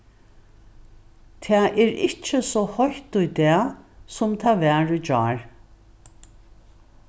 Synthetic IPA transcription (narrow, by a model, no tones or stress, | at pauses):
t̪ʰɛːʔɛɹɪ̰t͡ʃːəsɔhɔçt̪ʊjd̪ɛːsʊmt̪ʰɛːʋɛːɹʏd͡ʒɑːɹ